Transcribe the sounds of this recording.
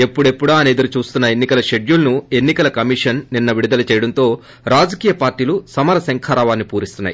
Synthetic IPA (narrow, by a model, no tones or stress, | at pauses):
e̞pːuɽe̞pːuɽaːɐne̞ːd̪ɐɾut͡ʃuːst̪unːɐe̞nːikɐlɐʃe̞ɖjulɐnue̞nːikɐlɐkɐmiʂɐnːinːɐʋiɽid̪ɐlɐt͡ʃɛːjɐɽɐnt̪o̞ː | ɾaːd͡ʒɐkiːjɐpaːɾʈiːlusɐmɐɾɐsɐŋkʰaːɾaːʋaːnːipuːɾist̪unːa̰ji